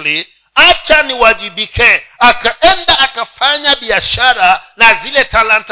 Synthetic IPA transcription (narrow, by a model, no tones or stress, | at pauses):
li | at͡ʃaniwaʄiɓikɛakaɛndaʔːkafaɲaɓiaʃaɾanazilɛtalant